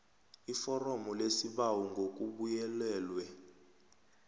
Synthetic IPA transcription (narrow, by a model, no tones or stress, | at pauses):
ifɔrɔmɔlesiɓawuŋɡʱok̬ʼuɓujɛlɛːlwɛ